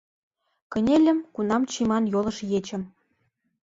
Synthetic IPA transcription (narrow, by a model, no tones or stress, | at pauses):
kə̆nʲelʲə̆mkunɑmt͡ɕimɑnjolɤ̆ʃjet͡ɕə̆m